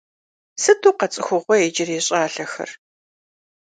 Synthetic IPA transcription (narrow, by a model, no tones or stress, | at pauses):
sɨtʰuːqɐt͡sʼɪxʷʊʁʷɔjed͡ʒɪreːɕʼaːɬɐxɐ̰r